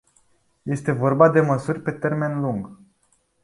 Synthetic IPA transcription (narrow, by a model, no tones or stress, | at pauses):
je̞st̪e̞vo̞rbad̪e̞məsurʲpe̞t̪e̞rme̞nluŋɡ